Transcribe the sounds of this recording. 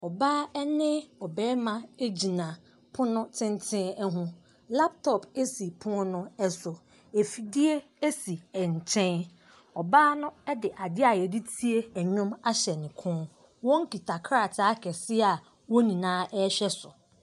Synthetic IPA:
ɔ˨baː˦ɛ˦nɪ̃˦ɔ˨bɛː˦mã˦˨e˦d͡ʑi˨nã˨ | pʰʊ̃˦nʊ̃˦tʰɪ̃˦n˦tʰɪ̃˦ɛ˦ɦʊ̃˦ | la˦p̚tʰɔ˨pe˦si˨pʰʊ̃˦nʊ̃˦ɛ˦sʊ˨ | e˨fi˨di˦e˦ | e˦si˨ɛ˨ɲ̩˨t͡ɕʰɛ̃˦n | ɔ˨baː˦nʊ̃˦ɛ˦dɪ˨ʔa˨dɪ˦a˨jɛ˨di˦tʰi˦e˦æ˨ɲʊ̃˦ma˦ɕɛ˨nɪ̃˨kʰʊ̃˦ | wɔ̃˦ŋ˦kʰi˨tʰa˨kʰɾa˦˨tʰa˦kʰɛ˨sɪ˦a˨ | wɔ˦nĩ˨nãː˦ʔɛ˦ɕᶣɛ˦sʊ˨

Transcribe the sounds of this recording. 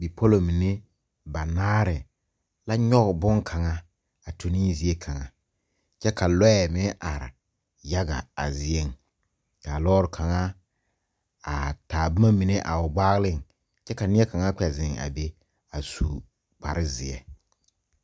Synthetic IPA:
bi˨pʰo˦lo˨mi˨ne˦ | ba˨naː˦ɾɪ˨ | la˦ɲɔ˦ɣbʊ˦ŋkʰa˨ŋa˦ | a˨tʰu˨ni˦zi˨e˦kʰa˨ŋa̰˨ | t͡ʃɛ˦ka˨lɔ˦ɛ˨mɪ˦ʔa˨ɾɪ̰˨ | ja˦ɡa̰˨a̰˨zɪ˨e˦˨ŋ | ka˨lɔː˦ɾɪ˨kʰa˨ŋa˦ | a̰˨taː˨ba˦ma˦mi˨ne˦ʔa̰˨ʊ˨ɡ͡baː˦ɣlɪ˦˨ŋ | t͡ʃɛ˦ka˨nɪ˦ɛ˦ka˨ŋa˦k͡pɛ˨zɪ˨ŋa̰˨be˦ | a˨sṵ˨ | k͡pa˨ɾɪ˦zɪ˨ɛ̰˨

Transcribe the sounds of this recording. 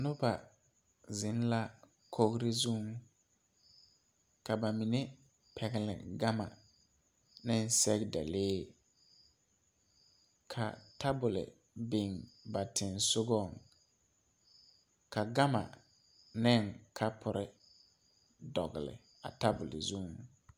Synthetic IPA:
nʊ˦ba˨ | zɪ˨˦n˦la˦ | kʰo˦ɡɾɪ˦zu˦ŋ | ka˨ba˨mi˨ne˦ | pʰɛ˨ɡɪ˨lɪ̰˨ɡa˦ma̰˨ | nɪ˦n˦sɛ˦ɡda̰˨leː˦ | kʰa̰˨ta˦bʊ˨lɪ̰˨ | bɪ˨ŋba˨tʰɪ˨nsʊ˦ɡɔ˦˨ŋ | ka˨ɡa˦ma̰˨ | nɪ˦ŋkʰa˦pʰʊ˨ɾɪ˦ | dɔ̰˨ɣɪ̰˨lɪ̰˨ | a̰˨ta˦bʊ˨lɪ̰˨zu˦ŋ

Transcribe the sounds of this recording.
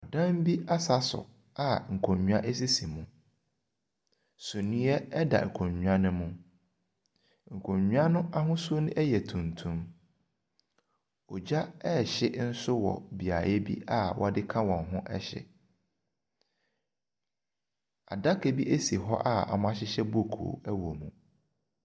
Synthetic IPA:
ɔ˨dã˦m˦bi˦a˦sa˦sʊ̰˨ | a˦ŋ̩˨kʰõ˨ɲũ˨˦ã˦ʔe˦s̬i˦si˨mũ˨ | sʊ̃˨nĩ˦ɛ˦ɛ˦da̰˨ŋ̩˨kʰõ˨ɲɲᶣũ˨ã˦nʊ̃˦mũ˦ | ŋ̩˨kʰõ˨ɲɲũ˦ã˦nʊ̃˦ʔa˦ɦʊ̃˦su˦o˦nʊ̃˦ʔɛ˦jɛ˨tʰũ˨ntʰũ˦m | ɔ˨d͡ʑa˦ɛ˦˨ɕɪ˦n̩˦sʊ˦wɔ̰˨bi˨a˨jɛ˦bḭ˦ʔa˦wʔɔ˦dɪ˦kʰã˦wɔ̃˨ŋ˨ɦʊ̃˦ʔɛ̰˦ɕɛ̰˨ | a˨da˦kʰɛ˨bi˦ʔe˦si˨ɦɔ˦ʔa˦ɔ̰˨mã˦ɕɪ˦ɕɛ˦bo˦˨kʰṵː˨˦æ˦wo˨mũ˨

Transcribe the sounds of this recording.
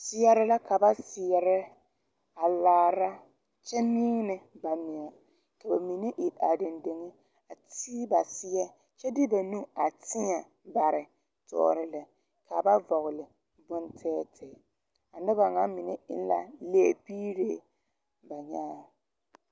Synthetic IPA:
sɪ˦jɛ˦ɾɪ˦la˦ka˨ba˦sɪ˨ɛ˨ɾɛ˦ | a˨laː˨˦ɾa˦ | t͡ʃɛ˦mi˦ŋ˦nɪ˨ba˨mɪ˨a˨ | ka˨ba˨mi˨ne˦ʔi˨a̰˨dɪ˨nde˨ŋɪ˦ | a˨ti˦ba˨sɪ˦jɛ˦ | t͡ʃɛ˦dɪ˦ba˨nu˦a˨tʰɪ˦ɲɛ˨ | ba˨ɾɪ˨ | tɔ̰ː˦˨ɾɪ˨lɪ˨ | ka˨ba˦vɔ˨ɣɪ˨lɪ˨ | bʊ˦ntʰɛː˦tʰɛ˨ | a˨nɪ˦ba˨ŋa˦mɪ˨nḛ˦ʔɪ̰˦n˦la̰˨le˦˨biː˦ɾeː˦˨ | ba˨ɲaː˦

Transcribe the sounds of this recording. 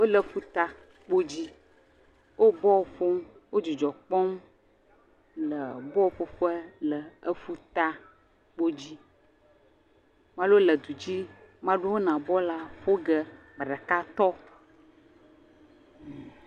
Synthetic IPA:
wo˦lə˨˦fu˦t̪a˦ | k͡po˦d͡ʑi˦ | wʔo˦bɔ˦wo˨ɸo˦m | wʔo˦d͡ʒi˨d͡ʒɔ˨k͡pɔ˦m | lə˨bɔ˦o˨ɸo˦ɸo˦ɛ˦lə˨ə˦fu˦t̪a˦ | k͡po˦d͡ʑi˦ | mã˦lo˦lə˨d̪u˨d͡ʑi˦mã˦ɖu˦wo˦nã˨bɔ˦la˦ɸo˦ɡə˦ | m˨ɖɛ˨ka˦t̪ɔ˦

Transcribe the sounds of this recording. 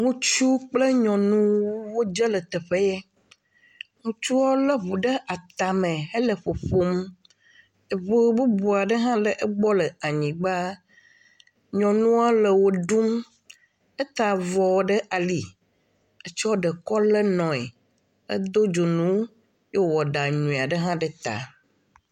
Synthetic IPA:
ŋũ˦t͡ʃu˦k͡ple˦ɲɔ̃˨nũ˦wo˦d͡ʒə˦lə˨t̪ɛ˨ɸe˦jɛ˦ | ŋũ˦t͡ʃu˦wɔ˦lə˦βu˨ɖə˦ʔa˨t̪a˨mẽ˨e˦le˨ɸo˨ɸo˦m | e˨βo˦bu˦bu˨a˨ɖə˦ɦã˦lə˨ʔe˦ɡ͡bɔ˦lə˨a˨ɲĩ˨ɡ͡ba˦ | ɲɔ̃˨nũ˦a˦lə˨wo˦ɖu˦m | e˦t̪a˨vɔ˨wɔ˦ɖə˦ʔa˨li˨ | e˦t͡ʃɔ˦ɖə˨kɔ˦lə˦nɔ̃˨e˨ | ḛ˦d̪o˦d͡ʒo˨nũ˦ | je˦wwɔ˨ɖa˨ɲũ˨a˨ɖə˦ɦã˦ɖə˦t̪a̰˨

